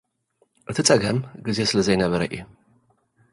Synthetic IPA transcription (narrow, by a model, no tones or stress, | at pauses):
ʔɨt̪ʰɨt͡sʼɐɡɐmɡize̞sɨlɐzɐjnɐβɐɾɐʔḭju